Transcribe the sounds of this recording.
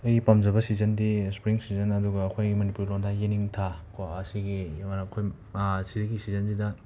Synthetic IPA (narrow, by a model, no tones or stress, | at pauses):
ɐjɡipamd͡ʒɐbɐsizɐndispɾiŋsizɐnɐduɡɐːkʰojɡimɐnipuɾlondʰaeniŋtʰakoɐsiɡimanɐkʰoj | siɾiɡisizɐnsidɐ